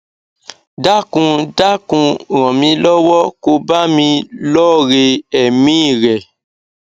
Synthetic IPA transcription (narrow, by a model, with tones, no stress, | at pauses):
da˦kũ˧da˦kũ˧ɾ̃ɔ̃˨mĩ˧lɔ˦wɔ˦ko˧ba˦mĩ˧lɔ˦ɾe˧ɛ˨mĩ˦˨ɾɛ˨